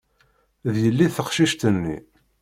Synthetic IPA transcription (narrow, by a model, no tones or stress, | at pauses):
ðjəlːiθəqʃiʃt̪ənːḭ